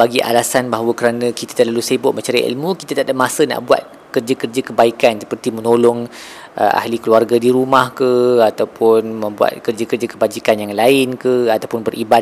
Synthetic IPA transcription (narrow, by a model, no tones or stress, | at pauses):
baɡiʔa̰lasanbaɦwəkəɾanə̃kit̪ḁt̪ərlalusebʊʔ̚mə̃ɲt͡ʃaɾəʔḭlmũki̥t̪at̪aʔdap̚masəna̰ʔbua̰t̪̚ | kərd͡ʒakərd͡ʒakəbaikansə̥pərt̪imə̃nolɔŋ | ʔə̰ʔa̰hlikəluarɡadiɾumahkəat̪awpʊnmə̃mbua̰t̪̚kərd͡ʒakərd͡ʒakəbad͡ʒikanjaŋlaɪnkəat̪awpʊnbərʔiba